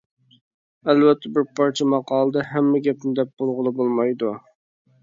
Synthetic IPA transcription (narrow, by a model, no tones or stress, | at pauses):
ælvɛt̪ʰːɛbɪɾpʰɑɾt͡ʃʰɛmɑqɑːlˠəd̪ɑɦæmːɛɡʲɛpmɪd̪ɛp̚b̥olˠʁəlˠɨbolˠmɑjd̪u